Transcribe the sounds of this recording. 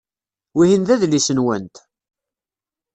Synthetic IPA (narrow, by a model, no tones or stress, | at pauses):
wihinðæðlisənwə̰nt̪